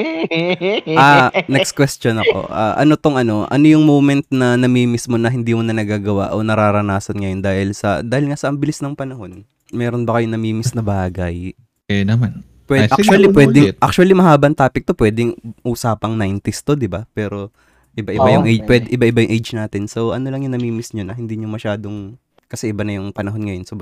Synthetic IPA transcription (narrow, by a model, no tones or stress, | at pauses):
ʔaːnɛkskwɛst̪jonɐko̞̰ʔa̰ːʔɐ̰no̞t̪oŋɐno̞ʔɐ̰nojʊŋmoːmɛnt̪̚nɐnɐmiːmɪsmo̞nɐɦɪnd̪iːmonɐnɐɡaːɡɐwa̰ʔo̞nɐɾaːɾɐnaːsɐnŋɐjo̞nd̪aːhɪlsɐ̰d̪aːhɪlŋasɐʔɐmbɪlɪsnɐŋpɐnɐho̞n | mɛːɾo̞nbɐkɐjonɐmiːmɪsnɐbaːɡɐj | ɛnɐman | pwɛʔat͡ʃuɐlipwɛːd̪ɪʔɐk̚t͡ʃuɐlimɐɦaːbɐnt̪aːpɪk̚t̪o̞pwɛːd̪ɪŋʔuːsaːpɐŋnajnt̪ɪst̪o̞d̪ɪbapɛːɾo̞ | ʔɪbaʔɪbajʊŋʔɛpwɛd̪ɛʔɪbaʔɪbajʊŋʔɛjd͡ʒnaːt̪ɪnso̞wʔɐno̞lɐŋjʊŋnɐmiːmɪsɲonɐhɪnd̪iɲomɐʃaːd̪o̞ŋ | kɐsɛʔɪbanɐjʊŋpɐnɐɦo̞nŋɐjonsobɾ